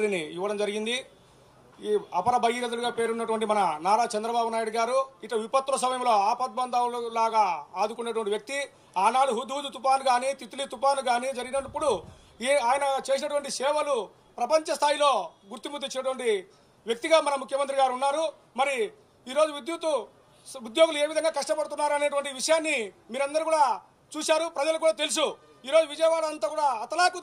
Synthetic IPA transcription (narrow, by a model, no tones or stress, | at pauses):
ɾiniiʋːɐɽɐmd͡ʒɐɾiɡind̪i | ɐpɐɾɐbɐjiɾɐd̪ɐɽuɡaːpe̞ːɾunːɐʈuʋɐɳʈimɐnɐnaːɾaːt͡ʃɛnd̪ɾɐbaːbunaːjɽuɡaːɾuiʈlɐʋipɐt̪ːuɾɐs̬ɐmɐjɐmlo̞ːaːpɐt̪̚bɐnd̪alulaːɡaːaːd̪ukunːɐʈ̬uʋɐɳʈiʋjɐk̚t̪i | aːnaːɽuɦud̪uːd̪ut̪upaːnuɡaːniːt̪it̪ulit̪upaːnuɡaːniːd͡ʒɐɾiɡinɐpːuɽu | eaːjɐnɐt͡ʃe̞ːsinɐʈuʋɐɳʈisɛːʋɐlu | pɾɐpɐɲt͡ʃɐst̪ʰaːjilo̞ːɡuɾt̪imud̪ːit͡ʃːinɐʈuʋɐɳʈi | ʋjɐk̚t̪iɡaːmɐnɐmukʰjɐmɐnt̪ɾiɡaːɾunːaːɾu | mɐɾi | iːɾoːd͡ʒuʋid̪jut̪u | ud̪jo̞ːɡulue̞ːʋid̪ɐŋɡaːkɐʂʈɐpɐɽut̪̬unːaːɾuɐne̞ːʈ̬uʋɐɳʈiʋiʂɐjaːnːi | miːɾɐnd̪ɐɾikuːɽaː | t͡ʃuːsaːɾupɾɐd͡ʒɐlɐuk̬uːɽaːt̪̬e̞lus̬u | iːɾoːd͡ʒuʋid͡ʒɐjɐʋaːɽɐɐnt̪aːkuːɽaːɐt̪ɐlaːku